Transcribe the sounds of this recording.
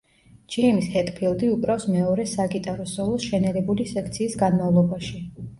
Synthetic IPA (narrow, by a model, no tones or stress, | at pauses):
d͡ʒɛmishɛt̪ʼpʰilˠd̪iukʼɾafsmɛɔɾɛsaɡit̪ʼaɾɔsɔlˠɔsʃɛnɛɾɛbulisɛkʰt̪sʰiːsɡanmavlˠɔbaʃi